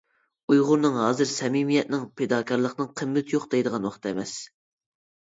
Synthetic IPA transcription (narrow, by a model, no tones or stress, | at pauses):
ujʁʊɾnɨŋɦɑːzɨɾsɛmimijɛt̪̚nɪŋpʰed̪ɑːkʲʰɑɾlˠəχnɨŋqʰəmːɪt̪ʰjoχd̪ɛjd̪əʁɑnwɑχt̪ʰɛmɛs